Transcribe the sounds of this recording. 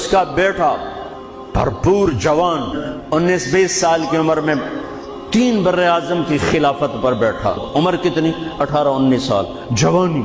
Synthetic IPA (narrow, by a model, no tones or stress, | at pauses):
ʊskabɛːʈʰa | b̥ʱɐ̰ɾpuːɾd͡ʒɐʋaːn | ʊnːiːsbeːsːaːlkiʊməɾmẽ | t̪iːnbɐɾːeaːzəmkixɪlaːfət̪pɐɾbɛːʈʰa̰ːʊməɾkɪt̪niɐʈʰaːɾaʊnːiːsːa̰ːl | d͡ʒɐʋaːniː